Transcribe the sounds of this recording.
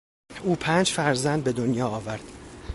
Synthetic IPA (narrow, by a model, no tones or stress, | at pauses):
uːpʰæːnd͡ʒfæɾzænd̪̚be̞d̪onjɒːɒːvæɾd̪̥